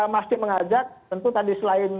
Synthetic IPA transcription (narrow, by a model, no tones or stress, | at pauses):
mast̪ɪməŋad͡ʒak̚t̪ənt̪ut̪adisəlaɪn